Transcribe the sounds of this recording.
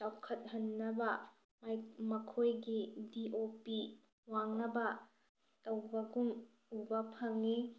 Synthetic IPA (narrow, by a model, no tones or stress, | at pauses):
t͡ʃawkʰɐt̪̚ɦɐnːɐbɐ | mjmɐkʰojɡidiʔopi | waŋnɐbɐ | tɐwbɐɡum | ubɐpʰɐŋi